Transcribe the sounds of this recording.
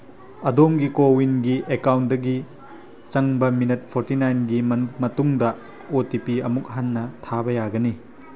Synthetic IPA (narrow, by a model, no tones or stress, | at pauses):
ɐdomɡikowinɡiʔekawnt̚dɐɡi | t͡ʃɐŋbɐminɐt̚pʰoɾtinajnɡimɐmɐtuŋdɐ | otipiɐmuk̚ɦanːɐtʰabɐjaɡɐni